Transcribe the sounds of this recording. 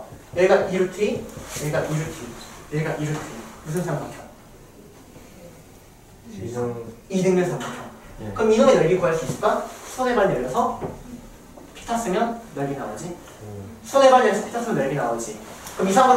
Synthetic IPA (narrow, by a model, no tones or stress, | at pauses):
neɡaʔiɾɯtʰijeɡaʔiɾɯtʰineɡaʔiɾɯtʰimus̬ʰɯnsʰaŋpʰakʰjʌ | idɯŋmensʰʌŋpʰakʰjʌkɯminɯmenʌɭɡiɡoɦaɭs͈uis͈ɯ̥ɭk͈asʰonebaɭneɾjʌsʰʌ | pʰi̥tʰas͈ɯŋjʌnjʌɭɡinaod͡ʑi | sʰonebaɭɲeʌsʰʌpʰi̥tʰas͈ɯŋʌnjeʌɭɡinaod͡ʑikɯmisʰaŋo